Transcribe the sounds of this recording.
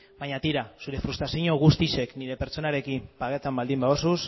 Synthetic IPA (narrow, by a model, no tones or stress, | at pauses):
baɲat̪iɾasuɾe̞fɾust̪ɾasiɲoɣ̞ust̪iʃe̞kniɾe̞pe̞ɾt͡ʃo̞naɾe̞kimpaɣet̪ambald̪imbaosus